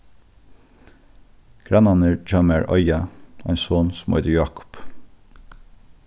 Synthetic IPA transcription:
ɡ̥ɹɑnɑnəd͡ʒɑmæɹʔɔ̰ʏɑæ̰ɪnsoːnsʊmʔɔ̰ʏd̪əjɑːkʊ̥p

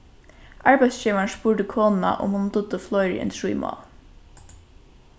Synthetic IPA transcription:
ʔɑɹbæɪst͡ʃiːʋɑɳʃpuːɖəkʰoːnn̩ɑ̰ʔo̰ːmʊnd̪ʊd̪əflɔʏɹḭḛnt̪ɹḭːmɑ̰ːl

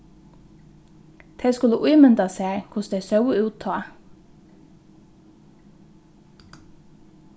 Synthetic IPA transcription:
d̪̥ʰeːskʉləʔuːmɛnd̪ɑsæːkʰʊsd̪eːsɑʊəʉːt̪ʰɑː

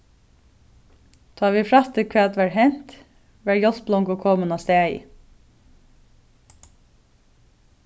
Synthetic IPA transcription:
t̪ʰɑːʋiːfɹɑt̪ʰɪkʰʋeːɑt̪ʋæːɹhɛn̥t̪ | ʋæːɹjɔssblɔŋkoːkʰoːmənɑst̪æːɪ̰

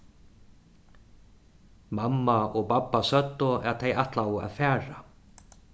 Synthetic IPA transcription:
mamːaɔɣpapːasœt̪ːɔɛt̪ʰejaht̪lawʊa̰ðfɛːɾa

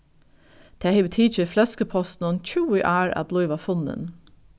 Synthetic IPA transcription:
d̪̥ʰeːheɪbət̪ʰiːt͡ʃəflœskəpʰɔst̪n̩ʊnc͡çuːɪʔæːɹɑ̰blɔʏʋɑfʊnə̰n

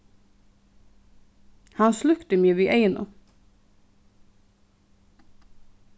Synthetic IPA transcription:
hɑnslʉkt̪əmyːəʋiːʔeɪnʊ̰

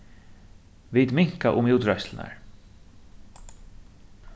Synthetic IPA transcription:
vid̪mɪŋ̥kaʔʊmuːt̪ɹœslna̰ɹ

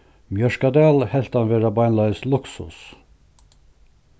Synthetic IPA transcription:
mjœʂkɑd̪ɛlhɛlt̪ɑnʋeːɾɑbɑɪnlɑɪslʊksʊ̰s

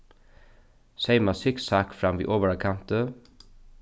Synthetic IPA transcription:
seɪmɑsɪksɑːkfɾɑmʋḭːʔoːʋəɾɑkʰɑnt̪ə

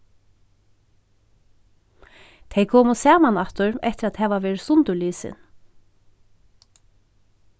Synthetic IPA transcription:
t̪ʰɛjkʰoːmʊsɛːmanaht̪ʊɹɛht̪ɪɾad̪hɛːʋaʋeːɾɪsʊnt̪ʊliːsɪ̰n

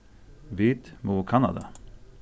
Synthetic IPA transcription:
ʋiːt̪muːkʰɑnɑ̰d̪ɑ̰

